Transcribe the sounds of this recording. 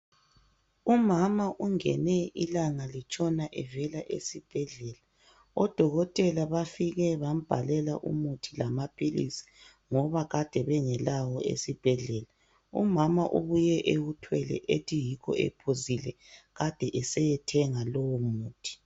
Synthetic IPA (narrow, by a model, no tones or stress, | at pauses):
umamaʔuŋɛ̰nɛilaŋalit͡ʃʼɔnaʔɛvɛlaʔḛsib̥ʱɛɮɛla | ɔd̥ʱɔɣɔtʼɛlaβafiɣɛβam̩b̥ʱalɛlaʔṵmutʰilamapʰʼilḭsi̥ | ŋɔβaɣad̥ʱɛβɛŋɛlawɔḛsib̥ʱɛɮɛla | ṵmamaʔṵβujɛʔewutʰwɛlɛ̰ʔetʰijikʰɔ̰ɛ̰pʰozilɛ | ɣad̥ʱɛʔɛsɛjɛtʰɛŋalowumuːtʰi̥